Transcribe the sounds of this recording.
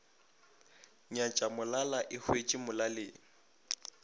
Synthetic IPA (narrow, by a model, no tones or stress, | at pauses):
ɲat͡ʃʼamʊlalaʔɪhwet͡ʃʼimʊlalɪːŋ̩